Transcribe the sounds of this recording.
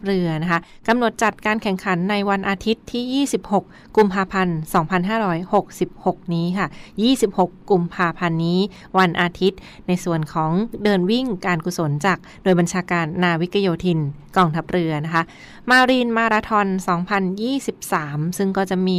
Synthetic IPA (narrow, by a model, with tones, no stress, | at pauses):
ɾɯ˧ɐna˦˥kʰa˦˥ | ka˧mno˨˩t̪̚t͡ɕa˨˩t̪̚kaː˧nkʰɛ˨˩ŋkʰa˩˦nːa˧jwa˧nʔaː˧t̪ʰi˦˥t̪ʰːiː˥˩jiː˥˩si˨˩p̚ho˨˩k̚ːu˧mpʰaː˧pʰa˧nsɔː˩˦ŋpʰa˧nɦaː˥˩ɾɔː˦˥jho˨˩k̚si˨˩p̚ho˨˩k̚niː˦˥kʰa˥˩jiː˥˩si˨˩p̚ho˨˩kːu˧mpʰaː˧pʰa˧nːiː˦˥ | wa˧nʔaː˧t̪ʰi˦˥t̪̚ | na˧jsu˨˩ənkʰɔː˩˦ŋdɤː˧nwi˥˩ŋkaː˧nku˨˩so˩˦nt͡ɕaː˨˩k̚noː˧jba˧nt͡ɕʰaː˧kaː˧nːaː˧wi˦˥ka˧joː˧t̪ʰi˧n | kɔː˧ŋt̪ʰa˦˥p̚ɾɯ˧ɐna˦˥kʰa˦˥ʔ | maː˧ɾiː˧nmaː˧ɾaː˧t̪ʰɔ˧nsɔː˩˦ŋpʰa˧njiː˥˩si˨˩p̚saː˩˦msɯ˥˩ŋkɔː˥˩t͡ɕa˨˩ʔmiː˧